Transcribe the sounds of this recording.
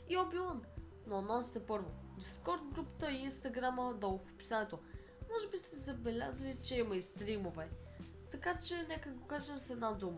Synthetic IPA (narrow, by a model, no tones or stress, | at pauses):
iɔbiwˠan | nonɔsi̥t̪ɛpɤɾvod̪iskɔɾd̪̚ɡɾupt̪əiinst̪ɐɡɾaməd̪ɔlˠfpi̥sanɛt̪o | mɔʒɛbist̪ɛzɐbɛlʲazɐlʲit͡ʃɛimɐjst̪ɾimovɛ | t̪ɐkat͡ʃɛnɛkəɡokaʒɛmsɛd̪nad̪umə